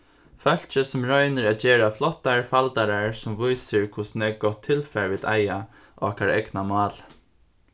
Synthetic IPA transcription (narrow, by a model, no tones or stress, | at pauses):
fœl̥t͡ʃəsʊmɹɔjnɪɹat̪d͡ʒɛːɹaflɔt̪ːaɹfalt̪aɾaɹsʊmʋʊjsɪɹkʰʊsnɛɡɔt̪ʰːɪlfɛɹʋiːd̪aja | ʔɔ̰ːkaɾɛ̰knamɑːl